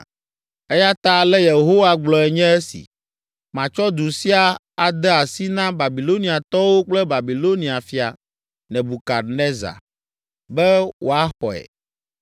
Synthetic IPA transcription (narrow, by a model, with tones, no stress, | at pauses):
e˦ja˦t̪a˦lɛ˦je˨ɦo˦wa˦ɡ͡blɔ˨ɛ˨ɲɛ̃˦ɛ˦sḭ˨ | mã˨t͡ʃɔ˦d̪u˨si˦a˨ | a˨d̪ɛ˦a˨si˦nã˦ba˨bi˨lo˦nĩ˨a˨t̪ɔ˦wo˦k͡plɛ˦ba˨bi˨lo˦nĩ˨a˨fi˦a̰˨ | nɛ̃˨bu˨ka˨ɾnɛ˦za̰˨ | bɛ˦wʔo˨a˦xɔ̰˨ɛ̰˨